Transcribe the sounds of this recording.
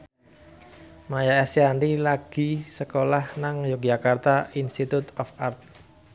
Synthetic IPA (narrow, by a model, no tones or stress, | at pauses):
majaɛsjand̪ilaɡ̥i̤səkolahnaŋjok̚d͡ʒakart̪ainst̪it̪ut̪ɔfart̪̚